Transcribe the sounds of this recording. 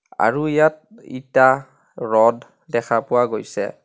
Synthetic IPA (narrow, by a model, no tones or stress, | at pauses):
a̰ɹujat̚ | ḭta | ɹɔd | dɛkʰapʊwaɡojsɛ̰